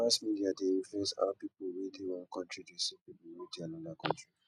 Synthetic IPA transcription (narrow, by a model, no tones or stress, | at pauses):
asmidiadeĩɱfɛsa̰wpipuɹiliwɔ̃nkʰɔ̃ntɹidesipibwidiãnɔ̃nakʰɔ̃ntɹi